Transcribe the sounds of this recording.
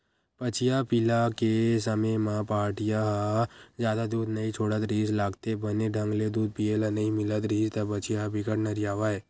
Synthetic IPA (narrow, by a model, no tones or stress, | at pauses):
pət͡ʃɪjapɪlakesəməmãpaːʈɪjaɦzjaːd̪ad̪uːd̪nəĩt͡ʃʰoːɽət̪ɾiːslaːɡt̪ebəneɖʱə̃ŋɡled̪uːd̪̚pielanəĩmɪlət̪ɾiːst̪abət͡ʃijabɪkəʈnəɾijaːʋaɦeː